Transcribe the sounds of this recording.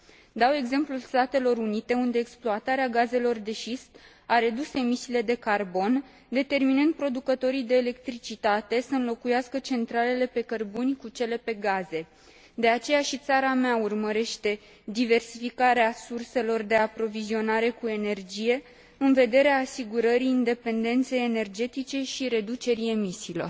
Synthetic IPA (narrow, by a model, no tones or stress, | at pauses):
d̪awe̞ɡze̞mplulst̪at̪e̞lo̞ɾunit̪e̞und̪e̞ːksploat̪aɾeaɡaze̞lo̞rd̪e̞ʃist̪ | aɾe̞d̪use̞misiːle̞d̪e̞karbo̞n | d̪e̞t̪e̞rminɨnd̪̚pɾo̞d̪ukət̪o̞ɾijd̪e̞ːle̞kt̪ɾit͡ʃit̪at̪e̞səɨnlo̞kujaskət͡ʃe̞nt̪ɾale̞le̞pe̞kərbunʲkut͡ʃe̞le̞pe̞ɡaze̞ | d̪e̞at͡ʃe̞jaʃit̪saɾameaurməɾe̞ʃt̪e̞ | d̪ive̞rsifikaɾeasurse̞lo̞rd̪e̞apɾo̞vizio̞naɾe̞kue̞ne̞rd͡ʒije̞ | ɨnve̞d̪e̞ɾeaːsiɡuɾəɾiːnd̪e̞pe̞nd̪e̞nt̪se̞jene̞rd͡ʒe̞t̪it͡ʃe̞ʃiɾe̞d̪ut͡ʃe̞ɾie̞misiːlor